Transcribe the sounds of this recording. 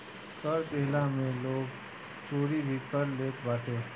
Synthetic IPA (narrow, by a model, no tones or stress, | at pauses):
kəɾd̪eːlamẽloːɡ | t͡ʃoːɾiɾikəɾleːt̪baːʈeː